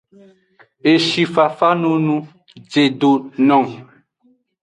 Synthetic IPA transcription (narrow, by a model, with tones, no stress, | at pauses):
e˨ʃi˨fa˨fa˦nũ˦nũ˦ | d͡ʒe˨do˨nɔ̃˨ŋ